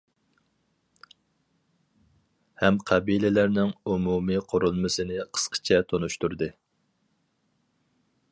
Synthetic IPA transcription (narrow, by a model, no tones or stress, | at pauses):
hɛmqʰɛbilɪlæɾnɪŋumumɨqʰoɾulˠmɨsɨnɪqʰə̥sqʰə̥t͡ʃʰɛt̪ʰonuʃt̪uɾd̪ɨ